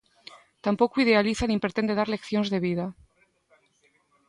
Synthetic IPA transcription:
t̪ampo̞kuið̞e̞aliθanĩmpɾet̪e̞nd̪e̞ðaɾle̞kθjonzðe̞βiða

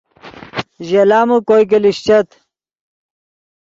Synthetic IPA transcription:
ʑelaːmukojk̬eliɕt͡ɕɐt̪

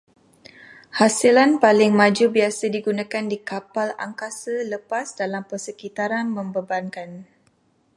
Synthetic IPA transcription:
hasilanpalɪŋmãd͡ʒubiasadiɡunãkandikapala̰ŋkasələpasdalampərsəkit̪aɾanmə̃mbəbankan

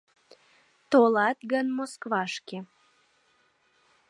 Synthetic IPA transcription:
t̪olɑt̪ɡənmoskβɑʃke

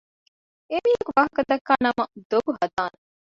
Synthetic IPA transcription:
emiekuʋɐɦɐkɐd̪ɐkːaːnɐmɐd̪obuɦɐd̪aːn

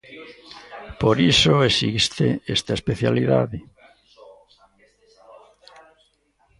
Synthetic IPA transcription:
poɾisoesist̪ḛest̪aespeθjaliða̰ðɪ

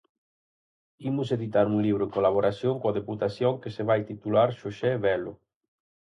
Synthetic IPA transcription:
imʊseðit̪aɾuŋliβ̞ɾʊeŋkolaβoɾasjoŋkoaðeput̪asjoŋkeseβajt̪it̪ulaɾʃoʃɛβɛlʊ

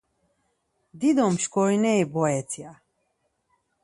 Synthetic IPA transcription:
d̪id̪ɔmʃkɔɾinɛibɔɛt͡s̪ʰia

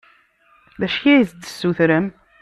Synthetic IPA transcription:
ðæʃçæjzd̪ə̥sːuθɾəm

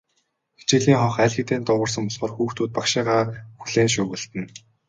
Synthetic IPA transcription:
xe̥t͡ɕɪ̆ɮiːŋχɔχæːɮxĭt̪eːnt̪ʊʁə̆r̥s̬ə̆mpɔɮχɞ̆rxuːxt̪uːt̪̚pakʃiːʁaːxuɮeːnʃʊːɣɘ̆ɬt̪ɘ̆n

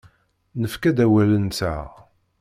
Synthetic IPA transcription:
nəfkæd̪æwælənt͡sæ̰

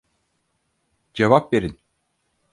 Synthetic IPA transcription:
d͡ʒevapveɾin

